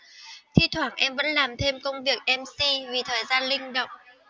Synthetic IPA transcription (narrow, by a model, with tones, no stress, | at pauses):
t̪ʰḭ˧˥t̪ʰwaː˧˩ŋʔɛ˧mvə̰˧˥nlaː˨˩mt̪ʰe˧mkə˧wŋ͡mvi˨˩ək̚ʔɛ˧msi˧vi˨˩t̪ʰəː˨˩jzaː˧nlï˧ŋ̟ɗə̰˧˨wŋ͡m